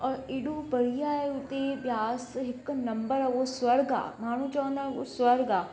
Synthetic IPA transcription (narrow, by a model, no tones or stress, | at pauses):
ɔːɾɪːɽõbɐɽ̤ijaeʊt̪ebjaːsɦɪknɐ̃mbəɾaʋosʋɐɾɡa̰ːmaːɳ̤̃ũt͡ʃaə̃nd̪aːeʋo̰sʋɐɾɡaː